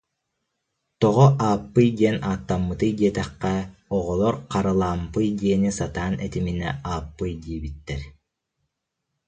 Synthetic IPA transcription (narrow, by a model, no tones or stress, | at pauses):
t̪ɔʁɔʔaːpːɯjɡiɛnaːt̪ːamːɯt̪ɯjɡiɛt̪ɛqːɑɔʁɔlˠɔɾqʰɑɾɯlˠaːmpɯjɡeːnisat̪aːnɛt̪iminɛ̰aːpːɯjɡiːbit̪ːɛɾ